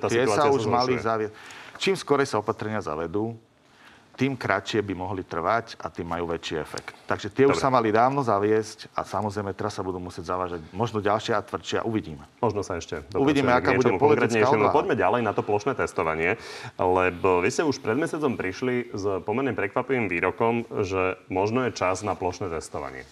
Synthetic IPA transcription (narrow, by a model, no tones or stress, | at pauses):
t̪at̪ɪɛsaauʒmalizaʋɪɛt͡ʃiːmskɔɾɛjsaɔpat̪ɾɛɲɪaza̰ʋɛd̪uː | t̪iːmkɾat͡ʃɪɛbimɔɦlit̪r̩ʋaca̰t̪iːmːajuːʋɛt͡ʃiɛfɛ̰kt̪ːaɡʒɛt̪ɪɛuʃsamalid̪aːʊnɔzaʋɪɛsca̰samɔzɾɛjmɛt̪ɛɾasːabud̪uːmusɪɛɟzaʋaːʒaɟmɔʒnɔɟalʃɪɛat̪ʋr̩t͡ʃɪɛ̰ʔuʋiɟiːmɛmɔʒnɔsaɛʃcɛd̪ɔuʋiɟiːmɛaɡkaːɛbut͡ʃɔɛmukpɔkɾɛt̪ɲɛaʃɛmapɔɟmɛɟalɛjnat̪ɔplɔʃnɛːt̪ɛst̪ɔʋaɲɪɛlɛbɔʋiscɛuʃpɾɛd̪mɛsɪat͡sɔmpɾiʃlizpɔmɛɾɲɛpɾɛkʋapiʋimʋiːɾɔkɔmʒɛmɔʒnɔjɛt͡ʃaznaplɔʃnɛːt̪ɛst̪ɔʋa̰ɲɪɛ̰